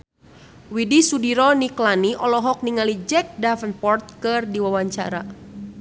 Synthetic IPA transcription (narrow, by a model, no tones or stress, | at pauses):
widisudiɾɔniklaniʔɔlɔɦɔk̚niŋalid͡ʒɛk̚dafənpɔrt̪̚kɨrdiwawaɲt͡ʃa̰ɾa